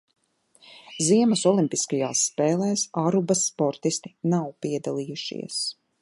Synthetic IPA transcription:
ziɛmɐsɔlˠimʲpiskajaːsːpɛːlˠɛːsaɾubɐsːpɔɾt̪ist̪i̥nawpiɛd̪alˠiːjuʃḭɛs

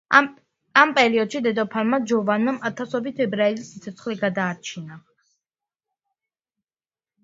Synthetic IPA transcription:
ampʼɛɾiɔd̪̥ʃid̪ɛd̪ɔpʰalmad͡ʒɔvanamat̪ʰasɔbit̪ʰɛbɾaɛlisːit̪sʰɔt̪sʰχliɡad̪aːɾt͡ʃʰina

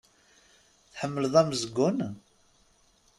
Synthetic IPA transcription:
θħəmːələðˤæməzəɡːʊn

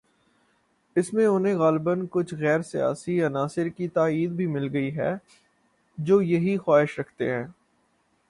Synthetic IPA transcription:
ɪsmẽʊnɦẽɣaːlbənkʊt͡ʃʰɣɛːɾsija̰ːsiɐnaːsɪɾkit̪aːiːd̪bʱimɪlɡɐiɦɛ̰ː | d͡ʒoːjɐɦixwaːɪʃɾɐkʰt̪ḛɦɛ̃ː

